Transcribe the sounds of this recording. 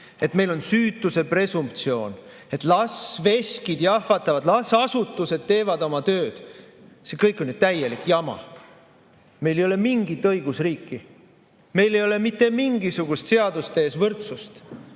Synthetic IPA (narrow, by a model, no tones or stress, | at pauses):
e̞t̪me̞jlo̞nsyːt̪ːˑuse̞pre̞sumpt̪sio̞ːn | e̞t̪lɑsve̞skid̪jɑɑhvɑt̪ˑːɑvɑd̪lɑsɑsut̪ːˑuse̞d̪̥̚t̪e̞ːvɑd̪o̞mɑt̪ø̞ːd̪̥ | sekɤjkːˑonːyd̪̚t̪æje̞likjɑmɑ̰ | me̞jlejo̞le̞miŋɡit̪ːˑɤjɡ̥usriːkːˑi | me̞jle̞jo̞le̞mit̪ːe̞miŋɡisuɡ̥ust̪se̞ɑd̪ust̪e̞ːsvɤrt̪sust̪